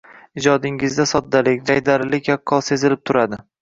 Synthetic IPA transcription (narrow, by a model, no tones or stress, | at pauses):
ɪd͡ʒɒd̪ɪŋɪzd̪asɒd̪ːalɪkʲd͡ʒajd̪aɾɪlɪkʲjakʰːɒlˠse̞zɪlɪp̚t̪ʰʊɾad̪ɪ